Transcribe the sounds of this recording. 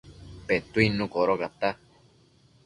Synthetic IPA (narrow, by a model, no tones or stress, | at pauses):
pet̪uinũkoɾokat̪a